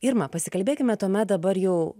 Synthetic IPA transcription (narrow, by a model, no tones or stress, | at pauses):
ɪɾmɐpɐsʲɪkɐlʲbʲeːkʲɪmʲɛt̪uɔmʲɛt̪̚d̪ɐbɐɾjɛʊ